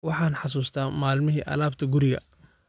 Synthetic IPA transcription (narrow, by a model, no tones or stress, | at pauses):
wɑħɑːnħɑs̬uːst̪ʰaːmaːlmɪɦiːʔɐ̰laːbt̪ʰɐɡʊɾɪɣɐ̰